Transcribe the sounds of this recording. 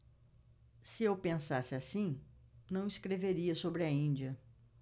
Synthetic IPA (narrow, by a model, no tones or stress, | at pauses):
sɪewpẽsasɪasĩnɐ̃w̃iskɾeveɾiɐsobɾɪɐĩnd͡ʒiɐ